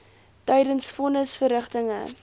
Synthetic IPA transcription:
tɛjdənsfɔnəsfəɾəχtəŋə̰

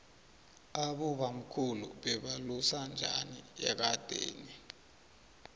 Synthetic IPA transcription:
aɓuɓam̩kʰulṵɓɛɓalusand͡ʒʱa̰nḭɛ̰k̬ad̥ʱḛːni

